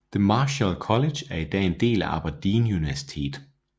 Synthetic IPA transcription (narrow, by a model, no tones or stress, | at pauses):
ð̥əmɑ̈ːɕælkʰɒ̽le̥jæɐid̥ɛ̰ːe̝nd̥e̝̰ːlæʔɑ̈b̥ɑd̥iːnuniʋæɐsi̥t͡sʰe̝̰ːd̥